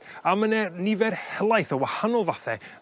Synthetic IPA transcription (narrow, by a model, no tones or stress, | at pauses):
amənɛnɪvɛrhɛlˠajθəwahanɔlˠvaθɛ̰